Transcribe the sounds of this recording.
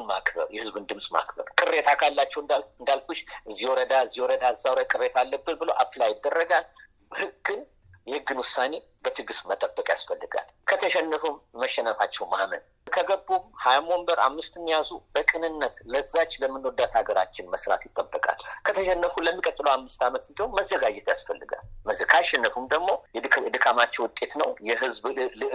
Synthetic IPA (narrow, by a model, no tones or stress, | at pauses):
nma̰kbə̰ɾjɛhɨzbund̪ɨmsʼma̰kbə̰ɾkʼɨrːe̞t̪ʰakʰʼalːat͡ʃːɛwɨnd̪alkuʃʔɨzːiwɔɾəd̪aɨzːiwɔɾəd̪aɨzawɾakʼɨrːet̪ʰalːəbːɨnbɨləwʔapʰlajɪd̪ːərːəɡal | bəhɨɡːɨn | jɛhɨɡːɨnwʊsane̞ | bət̪ʰɨɡɨsmət̪ʼəbːəkʼja̰sfəlːɨɡa̰l | kʰət̪ʰəʃɛnːəfumːəʃːɛnəfat͡ʃːɛwmahmən | kʰəɡəbːumhajamo̞mbəɾʔa̰mːɨst̪mːijazubəkʼɨnɨnːət̪lət̪ɨzat͡ʃːləmːɨnod̪ːat̪aɡəɾa̰t͡ʃːɪnməsɾa̰t̪jɪt̪ʼːəbːəkʼa̰lkʰət̪ʰəʃɛnːəfuləmːikʼət̪ʼːɨləwhamːɨst̪amət̪ɨnd̪əhwumməzːəɡad͡ʒɛt̪jasfəlːɨɡa̰lməkʰaʃɛnːəfumd̪əɡmo̞jd̪ɨkʼamat͡ʃːɛwʊt̪ʼe̞t̪nəwjɛɦɨzbɨ